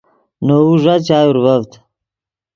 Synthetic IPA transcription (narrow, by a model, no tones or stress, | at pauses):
noːuʐat͡ɕaːjuɾvɐvt̪